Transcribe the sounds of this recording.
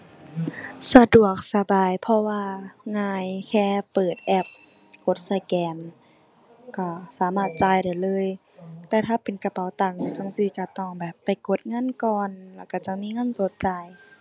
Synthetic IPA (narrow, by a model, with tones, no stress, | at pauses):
sa˧du˨˩ək̚sa˧baː˨˩jpʰɔ˧waː˧ŋaː˧˩˨jkʰɛː˧pːɤː˨˩t̪̚ʔɛ˧˩p̚ | ko˧˦t̪̚sa˧kɛː˨˩n | ka˧˩saː˨˦maː˧˩t̪̚t͡ɕaː˨˧jda˨˩jlɤː˧˥˨j | t̪ɛː˧˩t̪ʰaː˧˩pe˨nka˧pa˨˦wt̪a˧˩ŋt͡ɕa˧˥˨ŋsi˧˩ka˧˩t̪ɔ˧˩ŋbɛː˨˩pːa˨jko˧˦t̪̚ŋa˧˥˨nkɔː˧˨nla˧˩wka˧˩t͡ɕa˧˩miː˧˥˨ŋa˧˥˨nso˨˦t̪̚t͡ɕa˧j